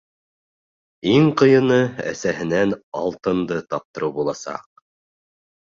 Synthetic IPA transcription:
iŋqɤ̆jɤ̆nɤæ̰sæɦɘ̆nænɑ̰lˠt̪ɤ̆nd̪ɤt̪ɑp̚t̪ɤ̆ɾɤwbulˠɑsɑ̰q̚

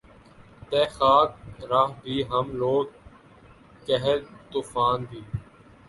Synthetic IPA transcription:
t̪eːxaːk̚ɾaɦbʱiːɦəmloːɡ | kəɦelt̪uːfaːnb̪ʱiː

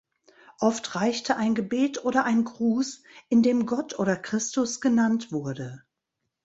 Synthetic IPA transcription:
ʔɔftʁaɪçtʰəʔaɪnɡəbeːtʔoːɾɐʔaɪnɡʁuːsʔɪndeːmɡɔtʔoːɾɐkʁ̥ɪstʊsɡ̥ənantv̥ʊɐdə

